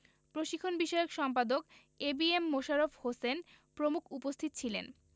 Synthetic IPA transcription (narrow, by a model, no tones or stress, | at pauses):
pɾoʃikʰːonbiʃɔeokʃɔmpad̪ok | ebiemːoʃaɾofhosen | pɾomukʰupost̪ʰit̪ot͡ɕʰilḛn